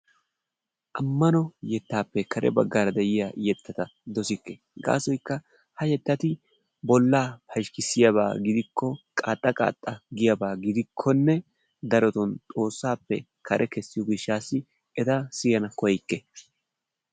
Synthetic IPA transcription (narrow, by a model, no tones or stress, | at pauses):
ʔɐmːɐnɔjɛt̪ːaːpːɛkʰɐɾʔɛ̰bɐɡːaːɾɐd̪ɛjɪjajɛt̪ːɐt̪ɐd̪ɔsɪkːe | ɡa̰ːsɔjkːɐ | hɐjɛt̪ːɐt̪ɪ | bɔlːaːpɐʃkɪsɪjɐβa̰ːɡɪd̪ɪkʰːɔkʼa̰ːt̪ʼːɐkʼa̰ːt̪ʼːɐɡɪjɐbaːɡɪd̪ɪkʰːɔnːɛ | d̪ɐɾɔt̪ɔnt̪ʼo̞ːsːaːpːɛ̰ | kɐɾʔɛkɛsːɪjɔɡɪʃːaːsːɪ | ɛt̪ɐsɪjɐnɐkɔjkːe